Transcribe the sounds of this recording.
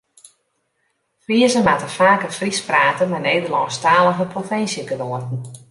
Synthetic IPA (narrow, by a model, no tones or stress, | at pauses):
friəzəmatəfaːkəfrispraːtəmaneːdəlɔŋstaːlˠɔvəprofɪnsjəɡədoərtn̩